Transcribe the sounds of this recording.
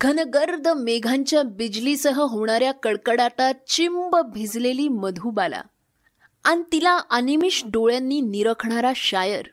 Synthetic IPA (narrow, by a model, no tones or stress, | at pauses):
ɡʱənɡəɾd̪ʱmeɡʱãɲt͡ɕjabid͡ʑlisəɦəɦoɳ̃aɾjakəɭkəɽat̪at͡ɕimbəbʱid͡zleliːməd̪ʱuːbala̰ | anit̪ilaʔanimiɕɖoɭjanːiːniɾəkʰɳaɾaɕajəɾ